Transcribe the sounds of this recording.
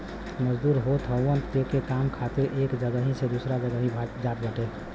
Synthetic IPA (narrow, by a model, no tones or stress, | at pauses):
məd͡ʒd̪uɾɦot̪ʰɦəənt̪d͡ʒekekamkʰat̪eɾʔekd͡ʒəɡəɦĩsed̪usɾad͡ʒəɡəɦĩbʱad͡ʒat̪̚ɡʱəʈe